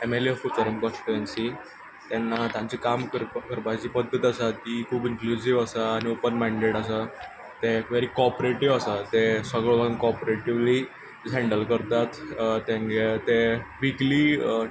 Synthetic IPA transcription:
emeliefut͡səɾimkɔ̃nsi̥ʈuʋensi | t̪ɛnːat̪jãɲt͡sikamkəɾkəɾpad͡ʑiːpəd̪ʱːət̪asaikʰuːbiŋklud͡ʑiʋasaːñiopənmɛ̃ɳɖeʈəsa | t̪eʋeɾikɔɾpɾeʈiʋasat̪esəɡɭəbaənkɔɾpɾeʈiʋli | d͡zʱɛ̃ɳɖəlkəɾt̪at̪t̪ːẽŋɡet̪eʋikli

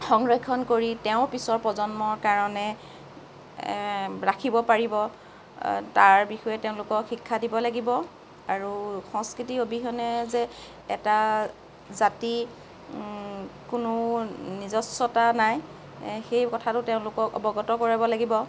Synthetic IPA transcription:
xɔŋɡɹekʰɔnkoɹiteʊ̃pisɔɹpɹɔzɔnmɔɹkaɹɔnɛ | ɹakʰibɔpaɹibɔ | taɹbixɔjɛteʊ̃lʊkɔxikʰːadibɔlaɡibɔ | aɹuxɔ̃ŋskɹitiobʱiɦɔnɛzɛ | ɛ̰ta | zati | kʊnʊnizɔsːɔtanaj | xejkɔtʰatʊteʊ̃lʊkɔkɔ̰bɔɡɔtɔkɔɹabɔlaɡibɔ

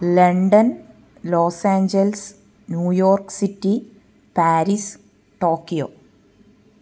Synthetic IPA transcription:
leɳɖɐn | loːsaːɲd͡ʑɐls | njuːjoːrksitːi | paːɾis | ʈoːkːijoː

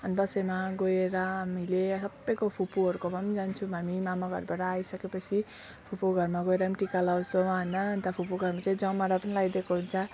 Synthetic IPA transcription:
ʌnd̪ʌsʌjmaɡojeɾʌɦamilesʌbʌjkopʰupuɦʌɾukopʌmd͡zant͡sʰũɦamimamaɡʱʌ̰rbaʈʌajsʌkepʌt͡sʰi | pʰupuɡʱʌrmaɡoeɾamiʈikalawsomaɦʌnʌnt̪ʌpʰupuɡʱʌrmat͡saĩd͡zʌmaɾapʌnilaɡid̪ekoɦunt͡sʰʌ

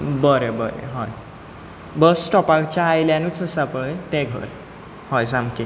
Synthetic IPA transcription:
bəɾebəɾḛɦɔj | bəsʈɔpakt͡ɕaːjljãnut͡səsapəjt̪ẽɡʱə̰ɾ | hɔjsamki

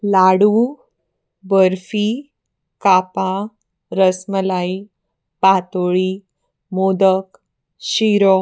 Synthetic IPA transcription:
laɽu | bəɾfi | kapa | ɾəsməlai | pat̪oɭi | mod̪ək | ɕiɾɔ

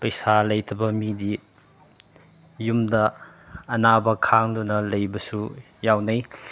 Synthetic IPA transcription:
pɐjsalɐjtʰɐbɐmidi | jumdɐː | nabɐkʰaŋdunɐlɐjbɐsu | jawnɐj

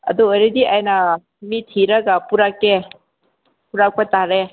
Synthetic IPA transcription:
ɐ̰duɔjɾediʔajna | mitʰiɾɐɡapuɾakːe | puɾak̚pajtaɾe

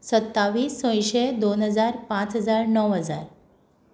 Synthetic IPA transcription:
sət̪ːaʋiːsːə̃j̃ɕed̪onɦəd͡zaɾpãt͡sɦəd͡zaɾnəʋɦəd͡zaɾ

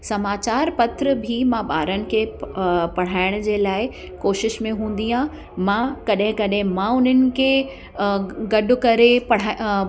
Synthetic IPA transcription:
sɐmaːt͡ɕaːɾpɐt̪ɾəbʱimãɓaːɾənɪ̆kʰeːpɐɽ̤aːɪɽ̃ʊd͡ʑeːlaːɪ | koːʃɪʃmẽɦũːn̆d̪iɦã | mãkɐɗɦɪ̃kɐɗɦɪ̃mãʊn̤ənɪ̆kʰeː | ɡɐɗʊ̆kɐɾepɐɽ̤aː

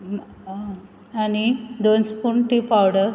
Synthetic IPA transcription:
anid̪onspuɳʈipawɽə

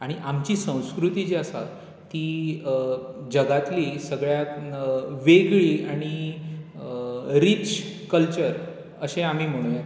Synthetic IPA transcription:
aɽ̃iʔamt͡ɕiːsə̃w̃skɾut̪id͡ʑeəsa̰t̪ː | iː | d͡ʑəɡat̪liːsəɡɭja | ʋeɡɭiːaɽ̃i | ɾit͡ɕkəlt͡ɕəɾ | əɕeam̤iːm̤əɽ̃ũje

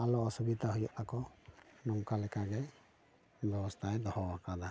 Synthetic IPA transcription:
alɔɔsubid̪aɦujɔʔakɔnɔmkalɛkʰaɡɛ | bɛbɔst̪ʰajd̪ɔhɔwakad̪a

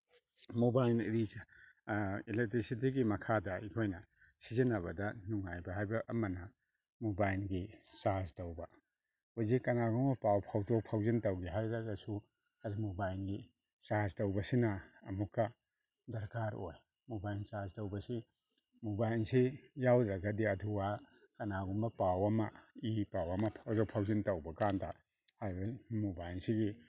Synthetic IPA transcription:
mubajnɾi | ilek̚tɾisit̬iɡimɐkʰadɐikʰojnɐ | sizinɐβɐdɐnuŋːajbɐɦajbɐʔːmɐnɐ | mubajlɡisastɐwbɐ | ojzikɐnaɡɔŋpawpʰawdok̚pʰawzɐntɐwɡiɦajɾaɡɐsu | ɐɾimubajlɡi | saztɐwbɐsinɐɐmukːɐ | dɐɾkaɾo̰j | mubajnsastɐwbɐsi | mubajnsijawdɾɐɡɐdiɐdʰuwa | kɐnaɡumbɐpawɐmɐipawɐmɐpʰzopʰawzɐntɐwbɐkantʰa | hajbɐmubajnsiɡi

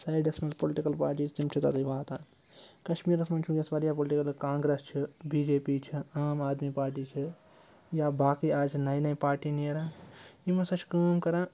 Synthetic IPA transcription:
sɐjɖɐsmɐlpoliʈikɐlpaːɾʈiːd͡ʒt̪imt͡ʃʰit̪a̰t̪ɐbaːt̪ã | kɐʃmiːɾɐsmɐnt͡ʃʰũɡesʋɐɾijapoliʈikɐlkãːŋɡɾest͡ʃʰibiːd͡ʒeːpit͡ʃʰiaːmaːd̪mipaːɾʈ̬it͡ʃʰi | jabaːkiaːd͡ʒʰnɐjnɐpaːɾʈinieɾãimɐsɐt͡ʃʰkəːmkɐɾãː

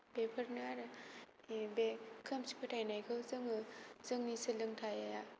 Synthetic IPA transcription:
b̥epʰəɾnaɾ | bekʰɯmsi̥pʰətʰajnajkʰɯwzɯŋɯzɯŋnisɯlɯŋtʰajaja

